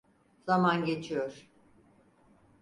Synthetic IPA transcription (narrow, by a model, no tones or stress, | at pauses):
z̥amanɟe̞t͡ʃʰijoɾ̥